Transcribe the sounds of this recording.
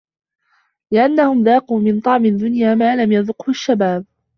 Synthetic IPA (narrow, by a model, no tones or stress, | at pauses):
lɪʔanːahʊmðaːquːmɪnt̪ˤɑʕmɪd̪ːʊnjaːmaːlamjɑðʊqhʊʃːabaːb̚